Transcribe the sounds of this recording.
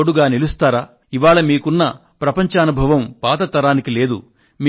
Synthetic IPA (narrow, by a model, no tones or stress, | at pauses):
oɽuɡaːnilust̪aːɾaː | iʋaːɭɐmiːkunːɐ | pɾɐpɐɲt͡ʃaːnubʱɐʋɐmpaːt̪ɐt̪ɐɾaːnikile̞ːd̪ṵ | m